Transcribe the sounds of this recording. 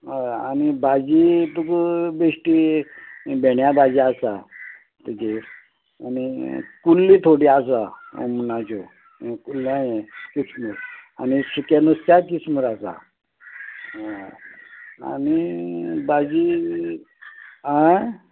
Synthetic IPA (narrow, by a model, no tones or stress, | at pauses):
ɦojanibad͡ʑit̪ukbeʂʈi | beɳjabad͡ʑiasa | t̪əd͡ʑe | anikulːit̪ʰoɽiasao̰mnat͡ɕo | kulːajekit͡sməɾa̰nisukjanust̪akit͡sməɾasa̰ | a̰nibad͡ʑi | ɦa